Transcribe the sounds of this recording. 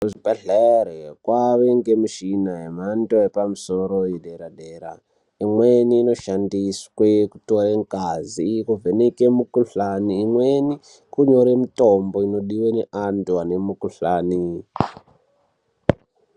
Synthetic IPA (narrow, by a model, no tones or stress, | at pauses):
ʐipaɮaɾekwaʋeŋɡemuʃinaɦemantoepamuso̞ɾojedeɾadeɾa̰ | imweniːno̞ʃandiswekutoreŋkazikovenekemukuɬaniːmweni | kuɲo̞ɾemitomboino̞ɗiweneʔantuane̞mukuɬaːni